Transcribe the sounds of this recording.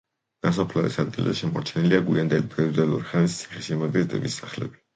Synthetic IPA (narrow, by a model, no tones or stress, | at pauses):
ɡ̪̥as̬apʰlaɛ̰sad̪̚ɡilzɛʃɛmɔɾt͡ʃʰɛniliaɡwiand̪ɛlibʰɾɛud̪ɛlṵɾiχɛnist̪sʰi̥χɛʃimaɡ̪izt̪ʼɛ̰bisaχlɛ̰b̥i̥